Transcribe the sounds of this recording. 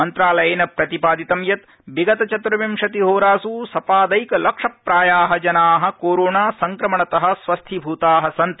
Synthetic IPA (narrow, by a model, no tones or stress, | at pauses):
ɐnt̪ɾaːlɐjeːnɐpɾɐt̪ipaːd̪it̪ɐmjɐt̪ | biɡɐt̪ɐt͡ʃɐt̪ɾɐʋɐmʃɐt̪iɦoːɾaːsuːsɐpaːd̪ɐjkɐlɐkʂɐpɾaːjaːɦɐd͡ʒɐnaːɦɐ̆koːɾoːɳaːsɐŋkɾɐmɐɳɐt̪ɐɦɐ̆sʋɐst̪ʰibʱuːt̪aːɦɐsɐnt̪